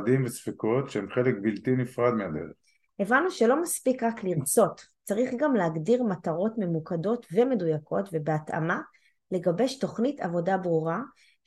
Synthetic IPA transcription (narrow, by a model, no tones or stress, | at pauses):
dimvesfiko̞tʃeemχelek̚biltinifʁadmead̪ḛʁeχ | ʔe̞vanuʃe̞lo̞maspikʁakliʁt͡so̞t | t͡saʁiχɡamleaɡdiʁmataʁo̞tme̞mukado̞tve̞me̞dujako̞tve̞beata̰ma | le̞ɡabe̞to̞χnita̰vo̞dabʁuʁa